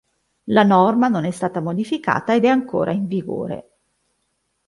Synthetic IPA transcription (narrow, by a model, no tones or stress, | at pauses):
lanɔrmanonɛst̪aːt̪amod̪ifika̰ːt̪aed̪ɛaŋko̰ːɾʔa̰iɱviɡo̰ːɾḛ